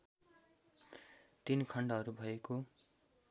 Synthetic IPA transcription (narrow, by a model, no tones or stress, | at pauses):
t̪inkʰʌɳɖʌɦʌɾubʱʌeko